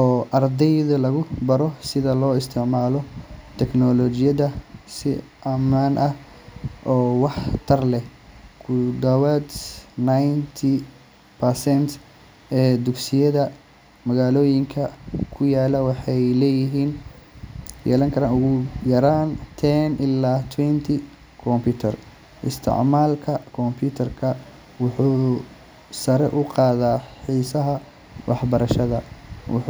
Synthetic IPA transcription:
ʔɔːʔɐrd̪ɛjðɐlɐɣʊbɐɾɔsɪðɐlɔːɪst̪ʰɪʕmaːlɔt̪ʰɛknɔlɔt͡ʃɪjɐðɐsɪ̰ | ʔɐmaːnʔɐh | ʔɔːwɑħt̪ʰɐrlɛhkʰʊd̪ɐwad̪najnt̪ʰi | pʰɐrsɛnt̪ʰ | ʔɛːd̪ʊɡsɪjɐðɐ | mɐɣaːlɔːjɪŋkʰɐkʰʊjaːlɐwɑħɑjlɛːjɪɦiːn | jɛ̰ːlɐŋkʰɐɾaːnʊɣʊjɐɾaːnt̪ʰɛːnʔɪlaːt̪ʰwɛnt̪ʰɪ | kʰɔmpʰʊt̪ʰɐr | ʔɪst̪ʰɪ̰ʕmaːlkʰɐkʰɔmpʰjuːt̪ʰɐrkʰɐ | wʊħuː | sɐɾɛʔʊqɑːðaːħiːsɐɦɐ | wʔɑħbɐɾɐʃɐðɐwʊ̰

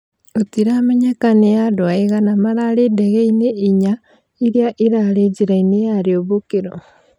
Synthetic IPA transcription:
otiɾaːmeɲekanejadwaiɣanamaɾaledeɣeineʔiɲa | iɾjaʔiɾaɾeɟiɾainejaɾioβukiɾo̰

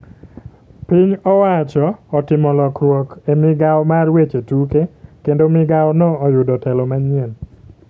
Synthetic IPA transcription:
piɲɔwat͡ʃɔːtɪmɔlɔkrwɔkemɪɡawmarwet͡ʃetukekendomɪɡawnɔɔjʊdɔtɛlɔmaɲɪɛn

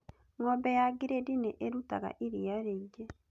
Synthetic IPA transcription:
ŋɔbejaɡiɾedineʔeɾutaɣa̰ʔiɾijaɾeiɟe

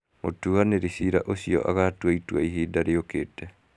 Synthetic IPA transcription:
motuaneɾisiɾaʔosiɔ̰ʔa̰ɣatwaitwaiɦiːdaɾeoketɛ

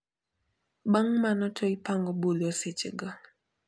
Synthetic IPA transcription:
baŋmanɔtʰɔɪpaŋɡɔbolɔsɪt͡ʃɪ̰ɡɔ

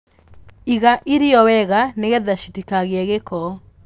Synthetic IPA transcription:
iɣaʔiɾiɔwɛɣaneɣeðaʃitikaɣeaɣekɔ

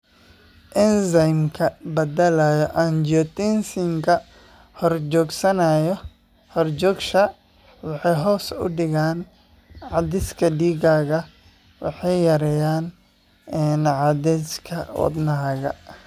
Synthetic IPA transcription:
ʔɪnsɐjmkʰɐbɐd̪ɐlɐjɔʔand͡ʒɔt̪insɪŋkʰɐ | hɔrd͡ʒɔːɡsɐnɐjɔ | hɔrd͡ʒɔːɡʃɐ | wɑħɑjɦɔːsʊ̰ɖɪɣaːn | ʕɑd̪ɪskʰɐɖiːɡaːɣɐ | wɑ̰ħɑjːɐɾɛjaːn | ɛnʕɑd̪ɛskʰɐwɑ̰d̪nɐɦɐɣɐ̰

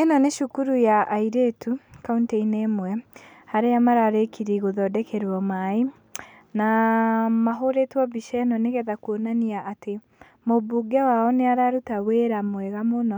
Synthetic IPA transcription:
enɔneʃukuɾujaʔaiɾetʰukauntɛinemwɛ | haɾeamaɾaɾekʰiɾiɣoðɔdɛkʰɛɾɔmai | na | maɦoɾetwɔbiʃɛnɔneɣɛðakuonaniaʔːte | mobuɡɛwaɔneaɾaɾutaweɾamwɛɣamonɔ

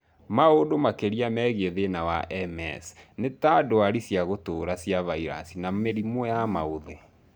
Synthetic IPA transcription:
maodomakeɾiamɛːɣeðenawa̰ʔɛmɛ̰snetadoaɾisjaɣotoːɾasjavaiɾa̰sinameɾimojama̰oðe

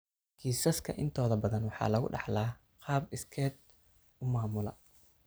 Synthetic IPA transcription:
ɡʰiːsɐskʰɐ̰ʔɪnt̪ʰɔːðɐbɐðɐnwɑħɑ̰ːlɐɣʊ̰ɖɑ̰ħlaː | qɑːbɪskʰɛːd̪̚ | ʊmaːmʊlɐ̰

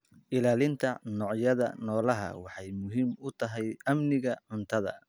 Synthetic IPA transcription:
ʔɪlaːlɪnt̪ʰɐnɔːʕjɐðɐ̰nɔːlɐɦɐ̰wɑħɑjmʊɦiːmʊt̪ʰɐɦɛjɐmnɪɣɐʕʊnt̪ʰɐðɐ̰

